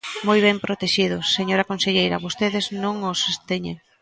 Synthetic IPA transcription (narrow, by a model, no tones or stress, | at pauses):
mojβ̞ɛmpɾot̪eʃiðʊsːeɲoɾɐkonseʎejɾɐβost̪eðɪznõŋosest̪eɲḛŋ